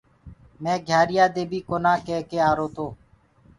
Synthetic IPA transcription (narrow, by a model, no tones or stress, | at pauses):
mɛ̃ːɡʱjaːɾɪjaːd̪eːbʱiːkoːnãːkeːkeːaːɾoːt̪oː